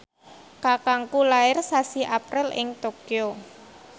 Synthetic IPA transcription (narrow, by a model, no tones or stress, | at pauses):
kakaŋkulaɪrsasiʔapɾɪlʔɪ̰ŋt̪okio